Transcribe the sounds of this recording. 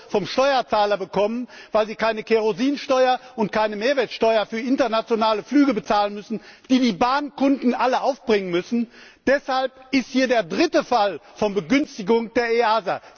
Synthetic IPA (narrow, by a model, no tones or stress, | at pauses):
fɔmʃtɔʏɐt͡saːlɐbəkʰɔmənvaɪlziːkaɪnəkʰeʁoziːnʃtɔʏɐʊntkʰaɪnəmeːɐvɛːɐtʃtɔʏɐfyːɐʔɪntɐnat͡sjonaːləflyːɡəbət͡saːlənmʏsn̩d̥iːdiːbaːnkʊndn̩ʔaləʔaʊfb̥ʁɪŋənmʏsn̩d̥ɛshalp̚ʔɪsthiːɐdeːɐdʁɪtəfalfɔnbəɡʏnstɪɡʊŋd̥eːɐeaːza̰